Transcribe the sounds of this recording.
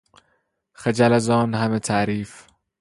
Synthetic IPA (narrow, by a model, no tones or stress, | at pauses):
xed͡ʒælæzɒːnhamet̪ʰæʔɾiːf